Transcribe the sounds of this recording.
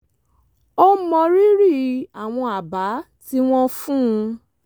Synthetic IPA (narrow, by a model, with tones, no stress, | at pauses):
ɔ˧mɔ̃˨˧ɾi˦ɾi˦˨a˨w̃ɔ̃˧a˨ba˨˦ | ti˦w̃ɔ̃˦fũ˦˧